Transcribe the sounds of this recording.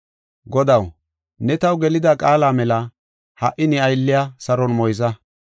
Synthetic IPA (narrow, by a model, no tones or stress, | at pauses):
ɡɔd̪ɐw | nɛt̪ɐwɡɛlɪd̪akʼaːlaːmɛlɐ | hɐʔɪnɪɐjlːɪjasɐɾɔnmɔjzɐ